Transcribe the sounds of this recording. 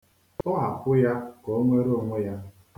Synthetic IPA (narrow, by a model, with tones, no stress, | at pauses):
ʊ˦ɦa˨kʊ˦ja˦kɔ˨˦ŋʷe˦ɾo˦˨ŋʷe˦ja˦